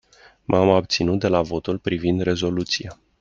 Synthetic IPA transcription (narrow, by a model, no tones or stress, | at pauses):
mʔamab̚t̪sinut̪̚d̪e̞lavo̞t̪ulpɾivind̪re̞zo̞lut̪sija